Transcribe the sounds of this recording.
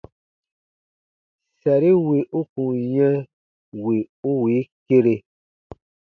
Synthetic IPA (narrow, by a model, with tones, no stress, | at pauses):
sɛ˨ɾi˦we˨ʔu˦kũ˨ɲɛ̃˦ | we˨u˦wi˨˦ke˦ɾe˧